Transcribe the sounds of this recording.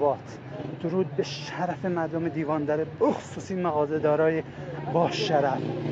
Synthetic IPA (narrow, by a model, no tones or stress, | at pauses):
bɒːt̪ʰ | d̪̥oɾuːd̪̚beʃæɾæfemæɾd̪omed̪iːvɒːnd̪æɾeboxo̥suːsiːnmæɣɒːzed̪ɒːɾɒːjebɒːʃæɾæf